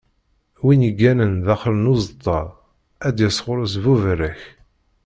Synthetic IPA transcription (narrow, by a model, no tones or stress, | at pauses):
winəɡːænənðæχɾənuzət̪ˤːɑ | æd̪jəsʁʊɾˤəs̬vuvəɾːəç